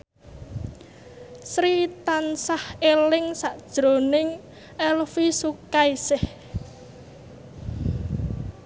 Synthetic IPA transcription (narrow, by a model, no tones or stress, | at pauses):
sɾit̪ansahelɪŋsaʔd̥ʒ̥ɾonɪŋ | ɛlfisukaisɪh